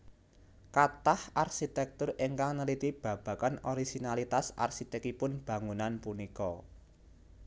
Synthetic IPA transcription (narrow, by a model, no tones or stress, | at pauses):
kat̪aharʃit̪ɛk̚t̪ʊriŋkaŋnəlit̪ib̥ä̤b̥ä̤kanɔɾiɡ̥inalit̪asa̰rsit̪ɛkipʊnb̥ä̤ŋunanpunikɔ